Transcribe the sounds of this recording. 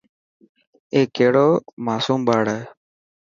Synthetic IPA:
eːkːeːɽoːmaːsuːmbaːɽɛː

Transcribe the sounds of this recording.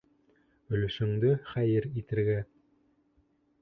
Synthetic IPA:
ɵ̆lɵ̆ʃɵ̆ŋd̪ɵχæjɘɾit̪ɘ̆ɾɡæ

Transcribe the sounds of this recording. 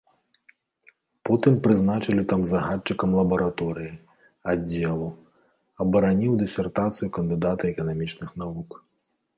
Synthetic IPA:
pɔt̪ɨmpɾɨznat͡ʂɐlʲit̪amzaɦat͡ʂːɨkɐmlˠɐbɐɾat̪ɔɾɨji | ad͡zʲːɛlˠu | ɐbɐɾanʲiwd̪ɛsʲɛrt̪at̪sɨjukɐnd̪ɨd̪at̪ɐɛkɐnamʲit͡ʂnɨxnavuk

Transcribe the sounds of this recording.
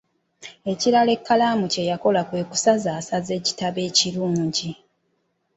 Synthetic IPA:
e̞ciɾale̞kːalaːmuce̞jako̞lakwe̞ːku̥sazaːsaze̞ːci̥taβe̞ːciɾuːɲɟi

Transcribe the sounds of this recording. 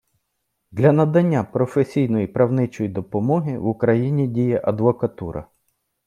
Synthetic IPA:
d̪lʲɐnɐd̪ɐnʲːapɾɔfesʲijnɔjipɾɐwnɪt͡ʃɔjid̪ɔpɔmɔɦɪʋʊkɾɐjinʲidʲijɛʔɐd̪ʋɔkɐt̪uɾɐ̰

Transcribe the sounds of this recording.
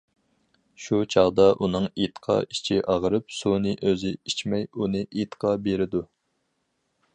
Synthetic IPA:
ʃut͡ʃʰɑʁd̪ɑʔunɨŋit̪qʰɑ̰it͡ʃʰiʔɑʁəɾɨpsunɨʔøzɪit͡ʃmɛjunɨʔit̪qʰɑbeɾɪd̪u

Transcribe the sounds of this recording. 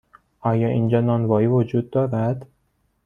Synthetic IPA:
ʔɒːjɒːʔind͡ʒɒnɒnvɒːjiːvod͡ʒud̪̚ːɒːɾæd̪

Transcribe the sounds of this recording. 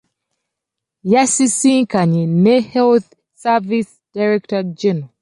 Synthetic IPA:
jasisiŋkaɲinehɛlθ | savis | d̥aɾektad͡ʒɛna

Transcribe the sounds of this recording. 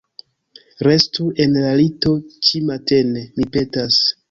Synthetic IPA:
ɾe̞stue̞nlalito̞t͡ʃimate̞nemipe̞tas

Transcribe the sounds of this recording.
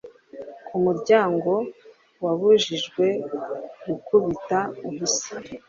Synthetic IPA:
kʰumuɾɟaːŋɡo̞ | waβuʒiʒɡwe̞ɡukuβitauβusi̥

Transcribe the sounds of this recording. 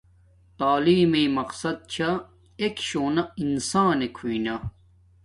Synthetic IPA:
t̪aːliːmeːmɐqsɐd̪̚t͡ɕʰɐ | ekɕoːnɐinsãːnekʰuinɐ

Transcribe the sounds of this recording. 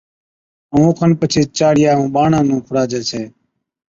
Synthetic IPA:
ũːkʰənpət͡ʃʰiːt͡ʃaːɽɪjaːɦũːɓaːɳãːnũːkʰʊɽaːd͡ʒeːt͡ʃʰeː

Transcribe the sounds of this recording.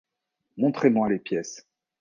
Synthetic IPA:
mɔ̃t̪χemwalepjɛs

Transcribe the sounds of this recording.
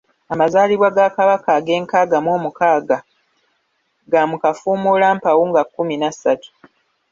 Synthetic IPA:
amazaːliβwaɡakaβakaɡe̞ːŋkaːɡamwo̞ːmukaːɡa | ɡamukafuːmulaːmpawuːŋɡakːuminasatu̥

